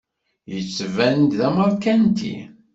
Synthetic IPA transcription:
jət͡sːvænt̪ðæməɾˤkænt̪ḭ

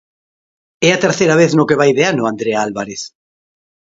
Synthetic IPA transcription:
ɛat̪eɾθeɾaβ̞eθnokeβajðeanʊand̪ɾeaalβaɾeθ

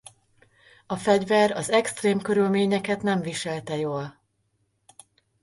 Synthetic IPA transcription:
ɒfɛɟvɛɾɒzɛkst̪reːmkøɾylmeːɲɛkɛt̪nɛɱviʃɛlt̪ɛjoːl

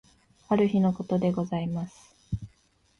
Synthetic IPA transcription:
aɾɯ̟çino̞ko̞t̪o̞d̪e̞ɡo̞zaimasɨ̥

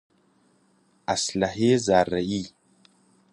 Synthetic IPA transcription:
aslaɦezaɾaʔi

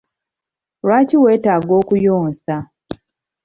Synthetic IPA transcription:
ɾwaːciwe̞ːtaːɡo̞ːkujoːnsa

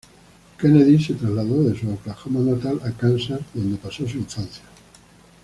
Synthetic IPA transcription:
keneðiset̪ɾazlaðoðesuawklaxamanat̪alakansaɾðo̞nd̪epasosuiɱfan̟θja

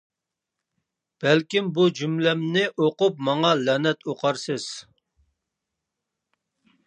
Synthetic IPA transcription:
b̥ɛlkʲimbud͡ʒymlɛmnɪʔoqʊp̚mɑŋɑlɛnɛt̪oqʰɑɾsɨz̥

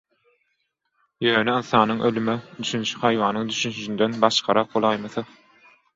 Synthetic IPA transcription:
jøːneɯnθɑːnɯŋʔølymɛd̪yʃynt͡ʃy̥hɑjwɑːnɯŋd̪yʃynyd͡ʒynd̪enbɑʃqʰɑɾɑq̚bolˠɑjmɑθɯ

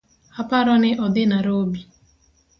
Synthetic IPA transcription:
apaɾɔnɪʔɔd̪ɪnaɾobi

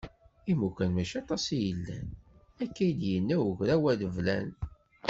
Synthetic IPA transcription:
imukʷænmæʃɑt̪ˤɑsijəlːæ̰n | ækːæjd̪jənːæwəʝɾæwæðəvlæn

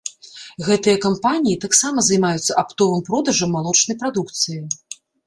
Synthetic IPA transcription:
ɣɛt̪ɨjɐkampanʲijit̪aksamɐzajmajut̪sːɐʔapt̪ɔvɨmpɾɔd̪ɐʐɐmːalˠɔt͡ʂnɐjpɾad̪ukt̪sɨji

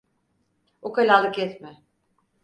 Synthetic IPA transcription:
okalʲalˠɯkjɛt̪mɪ

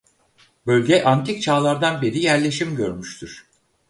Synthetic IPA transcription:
bø̞lʲɟɛʔant̪ʰic̚t͡ʃʰaːlˠaɾd̪anbiɾijæɾlʲe̞ʃimɟøɾmyʃt̪ʰyɾ̥

